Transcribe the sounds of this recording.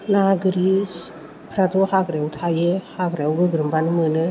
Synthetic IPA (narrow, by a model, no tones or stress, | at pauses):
naɡɯɾis | pʰɾadɔhaɡɾewtʰajɯhaɡɾawɡɯɡɾɯmbanɯmɯnɯ